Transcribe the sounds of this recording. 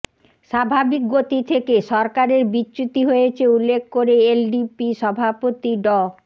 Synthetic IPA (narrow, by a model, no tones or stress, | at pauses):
ʃabʱabik̚ɡot̪it̪ʰekeʃɔɾkaɾeɾbitːɕut̪iɦojet͡ɕʰeulːekʰkoɾeelɖipiʃɔbʱapot̪iɖɔ